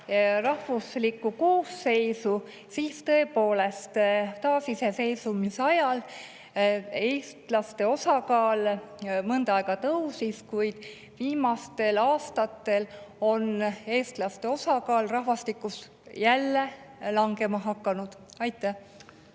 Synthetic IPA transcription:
rɑhvuslikːˑukoːsse̞jsu | siːst̪ɤ̞e̞po̞ːle̞st̪t̪ɑːsise̞se̞jsumisɑjɑl | eːst̪lɑst̪e̞o̞sɑkɑːlmɤnd̪̥ɑɑeɡ̥ɑt̪ɤwsiskujd̪̥ | viːmɑst̪e̞lɑːst̪ɑt̪ːˑe̞lo̞ne̞ːst̪lɑst̪e̞o̞sɑkɑːlrɑhvɑst̪ikːˑus | jælːe̞lɑŋɡe̞mɑɦɑkːˑɑnud̪̥ɑjt̪ːˑæh

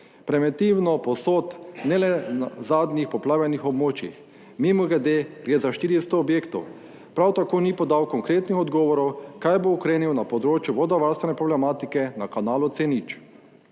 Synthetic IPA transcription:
pɾɛmɛt̪iwnɔpɔsoːt̪nɛlɛnazaːd̪nixpɔplaːʋjɛnixɔbmoːt͡ʃjḭx | mimuɡɛd̪eɡɾezaʃt̪iːɾist̪oːbjeːkt̪ɔ̰w | pɾawt̪akoːnipɔd̪awkɔŋkɾeːt̪nixɔd̪ɡɔːʋɔɾɔwkajboɔkɾeːniwnapɔd̪ɾoːt͡ʃjuʋɔd̪ɔʋaɾst̪ʋɛnɛpɾɔblɛmaːt̪ikɛnakanaːlut̪senit͡ʃ

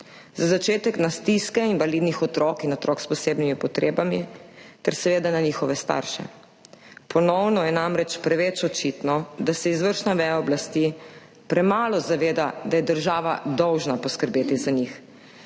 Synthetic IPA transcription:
zazat͡ʃeːt̪ɛknast̪iskɛinʋalid̪nixɔt̪ɾɔkinɔt̪ɾɔːkspɔseːbnimipɔt̪ɾeːbamit̪ɛɾsɛʋeːd̪ananiːxɔʋɛst̪a̰ɾʃɛ̰ | pʰɔnɔwnɔjɛnamɾɛt͡ʃpɾɛʋɛt͡ʃɔt͡ʃit̪nɔd̪asɛizʋəɾʃnaʋɛjaɔblast̪i | pɾɛmaːlɔzaʋeːd̪ad̪ajɛd̪əɾʒaːʋa̰d̪ɔwʒnapɔskəɾbeːt̪izaɲix

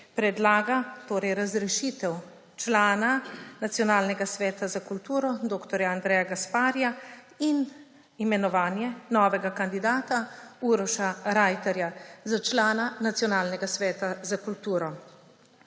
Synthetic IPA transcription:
pɾɛd̪laːɡat̪oːɾɛjɾazɾɛʃiːt̪ɛw | t͡ʃlaːnanat̪sjɔnaːlnɛɡasʋɛːt̪azakult̪uːɾɔd̪oːkt̪ɔɾjaand̪ɾɛːjaɡaspaːɾja | in | imɛnɔʋaːnjɛnɔːʋɛɡakand̪id̪aːt̪auɾɔʃaɾajt̪ɛɾjazat͡ʃlaːnanat̪sjɔnaːlnɛɡasʋɛːt̪azakult̪uːɾɔ

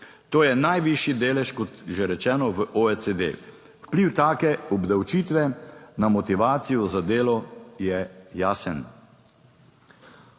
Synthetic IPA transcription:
t̪oːjɛnajʋiʃjid̪eːlɛʃkɔt̪ʒeɾɛt͡ʃɛːnɔʋəʔoɛt͡s̪ed̪ḛ | wpliwt̪aːkɛɔbd̪awt͡ʃiːt̪ʋɛnamɔt̪iʋaːt̪sijɔzad̪eːlɔjɛjaːsən

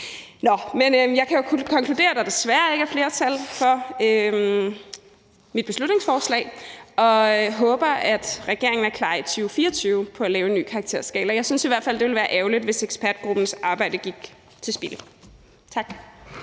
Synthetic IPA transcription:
nɒmenøjɑ̈ɪkʰæjo̝kʰɒ̽ŋkʰlud̥e̝̰ːɐd̥æd̥e̝sʋæːɐe̝ɡ̥æɐfle̝ːɐt͡sʰælfɒ̽ø | mid̥̚b̥e̝slud̥ne̝ŋsfɒːslɛ̰ːɪʔɒ̽ɦɔ̽ːb̥ɐæd̥ʁɛɡ̥e̝ɐ̰e̝ŋn̩æɐkʰlɑ̈ːit͡sʰyːʊfiːɐɒt͡sʰyːʊəpʰɒ̽ælɛːʊenːy̰ːkʰɑ̈ːɡ̥̚t͡sʰe̝ɐ̰sɡ̥ɛ̰ːlɐjɑ̈ɪsynsiʋæɐd̥fæl̰d̥eʋelʋæːɐʔɛːʊlid̥ʋe̝seɡ̥spʰæɐd̥̚ɡ̥ʁub̥n̩sɑ̈ːb̥ɑ̈ɪ̰d̥əɡ̥iɡ̥ | t͡sʰe̝lsb̥ilə | t͡sʰɑ̈ɡ̥

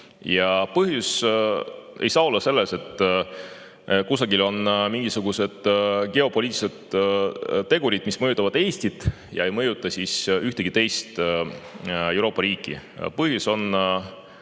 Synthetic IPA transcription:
jɑpɤɦjus | e̞̰jsɑːo̞lːɑse̞lːese̞t̪ːˑ | kusɑɡilo̞nmiŋɡ̥isuɡ̥use̞d̪̥ke̞o̞po̞liːt̪ʲːˑised̪̥ | t̪ːe̞ɡ̥uɾid̪̥mismɤjut̪ːˑɑvɑd̪̥e̞ːst̪id̪̥ | jɑe̞jmɤjut̪ːˑɑsisyht̪eɡ̥it̪e̞jst̪ | e̞wɾo̞ːpːˑɑɾiːkːˑḭpɤhjuso̞n

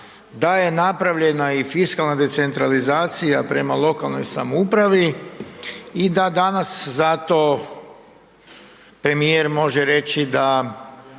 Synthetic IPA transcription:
d̪aje̞napɾaʋʎe̞naifiskalnad̪e̞t̪se̞nt̪ɾalizaːt̪sijapɾe̞malˠo̞kalˠno̞jsa̰mupɾaʋi | id̪ad̪anaszat̪o̞ | pɾe̞mijeɾmo̞ʒeɾe̞t͡ʃid̪a

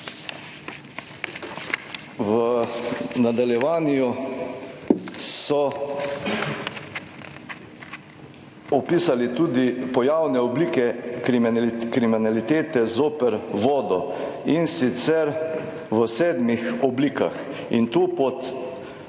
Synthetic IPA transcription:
ʋə | nad̪aljɛʋaːnjju | sɔ | ɔpiːsalit̪uːd̪ipɔjawnɛɔbliːkɛkɾimkɾiminalit̪eːt̪ɛzoːpəɾʋɔːd̪ɔinsit̪sɛɾ | ʋəsɛːd̪mixɔbliːka̰x | int̪uːpɔt̪

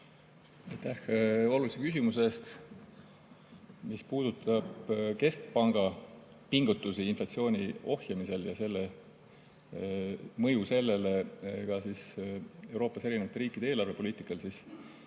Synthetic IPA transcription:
ɑjt̪ːæho̞lulisekys̬imuse̞st̪ | mispuːd̪̥ut̪ːˑɑb̥ke̞sk̚pɑŋɡ̥ɑ | piŋɡ̥ut̪ːˑusiinflɑt̪sio̞ːnʲio̞hjɑmise̞ljɑse̞lːe | mɤ̞juse̞lːe̞lekɑsise̞wɾo̞ːpːˑɑse̞ɾinevɑt̪ːɾiːkːˑid̪eeːlɑrve̞po̞liːt̪ˑikːˑɑlsis

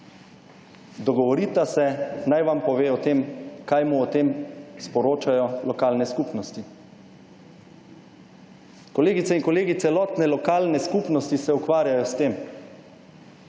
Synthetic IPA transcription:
d̪ɔɡɔʋɔɾiːt̪asɛnajʋampɔʋeːɔt̪eːmkajmuɔt̪eːmspɔɾoːt͡ʃajɔlɔkaːlnɛskupnɔst̪i | kɔleːɡit̪sɛinkɔleːɡit̪sɛlɔːt̪nɛlɔkaːlnɛskupnɔst̪isɛukʋaːɾjajɔst̪eːm

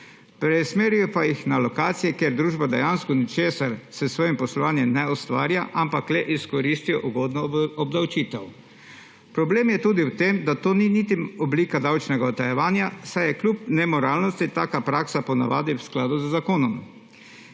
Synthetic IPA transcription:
pɾɛsmeːɾijɔpajixnalɔkaːt̪sijɛkeːɾd̪ɾuːʒbad̪ɛjanskɔnit͡ʃeːsaɾsɛsʋɔːjimpɔslɔʋaːnjɛmnɛɔst̪ʋa̰ːɾjaʔampaklɛʔiskɔɾiːst̪ijɔʔuɡoːd̪nɔɔbd̪awt͡ʃiːt̪ɛw | pɾɔbleːmjɛt̪uːd̪iwt̪eːmd̪at̪oːninit̪iɔbliːkad̪awt͡ʃnɛɡaɔt̪ajɛʋaːnjasajɛklʲuːp̚nɛmɔɾaːlnɔst̪it̪aːkapɾaːksapɔna̰ʋaːd̪iwsklaːd̪uzzakoːnɔm

